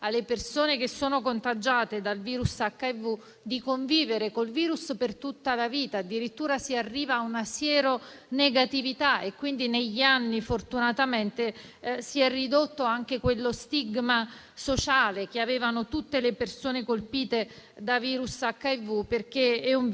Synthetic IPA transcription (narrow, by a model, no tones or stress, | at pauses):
alːepersoːnek̟esːoːnokont̪ad͡ʒaːt̪ed̪alviːɾusakːaevːu | d̪ikoɱviːveɾekolviːɾuspert̪ut̪ːalaviːt̪aːd̪ːiɾit̪ːuːɾasiarːiːvaːunasjɛːɾo | neɡat̪ivit̪aʔekːwind̪ineʎːianːifort̪unat̪ament̪e | siɛrid̪ot̪ːoaŋk̟ekwelːost̪iɡma | sot͡ʃaːlek̟eaveːvanot̪ut̪ːelepersoːnekolpiːt̪ed̪aviːɾusakːaevːuperk̟eɛuɱ